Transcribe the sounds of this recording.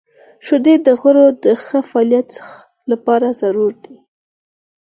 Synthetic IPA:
ʃʊd̪ed̪əɣəɾod̪əxəfɑljat̪ | lapɑɾazaɾuɾd̪i

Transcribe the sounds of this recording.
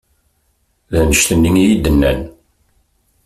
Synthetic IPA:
ðænəʃt̪ənːəŋijid̪ənːæ̰n

